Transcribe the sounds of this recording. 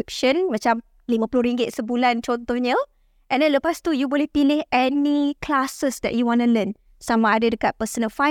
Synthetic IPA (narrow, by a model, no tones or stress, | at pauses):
ip̚ʃə̃nmãt͡ʃam | limãpulʊhɾiŋɡɪt̪̚səbulant͡ʃot̪oɲəl | ʔɛ̃ndɛ̃nləpast̪ujubolɛhpilɪhɛnikʰlasəsd̪ɛ̰ʔ̚juwɔ̃nulən | samaːdədəkat̪̚pəsənɔfa